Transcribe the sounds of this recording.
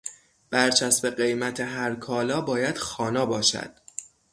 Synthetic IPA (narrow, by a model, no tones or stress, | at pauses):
b̥æɾt͡ʃʰæsbe̞ɢe̞jmæt̪ʰeɦæɾkʰɒːlɒːbɒːjæd̪̥xɒːnɒːbɒːʃæ̰d̪̥